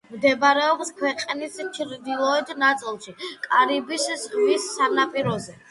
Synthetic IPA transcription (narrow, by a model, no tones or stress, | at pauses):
md̪ɛbaɾɛɔpskʰwɛqʼnist͡ʃʰɾd̪ilˠɔɛd̪nat̪sʼilˠʃikʼaɾibiszʁmisːanapʼiɾɔzɛ